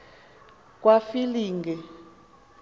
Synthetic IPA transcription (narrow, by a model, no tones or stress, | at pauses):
k̬ʼwafiliːŋɡɛ